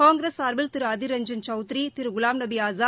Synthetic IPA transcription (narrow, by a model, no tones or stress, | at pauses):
aːŋɡɾeːsaːɾbɪlt̪ɪɾɐðɪɾɐɲd͡ʒɐnt͡ʃɐʊt̪ɾit̪ɪɾɡʊlaːmnɐbiaːzaː